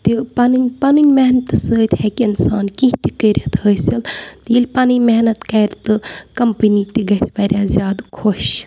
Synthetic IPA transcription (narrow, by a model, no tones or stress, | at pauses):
t̪ipanɨnʲpanɨnʲmeɦnɐt̪ɨsəːt̪hɛkɪnsaːnkĩɦt̪ikəɾʲɐt̪ɦəsɐlt̪jilʲpanɨnʲmɛɦnɐt̪kɐːɾt̪ɨkɐmpənit̪iɡɐisbɐɾʲjaːzʲjaːd̪kʰoʃ